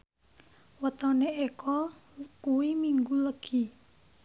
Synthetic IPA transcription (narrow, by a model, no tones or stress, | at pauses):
wət̪ɔneekɔkuwimiŋɡuləɡ̥i